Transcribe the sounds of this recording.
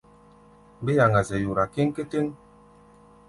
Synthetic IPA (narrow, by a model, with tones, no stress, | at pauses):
be˦ja˨ŋa˨zɛ˨ju˨ɾa˨ke˦ŋ˦ke˦te˦ŋ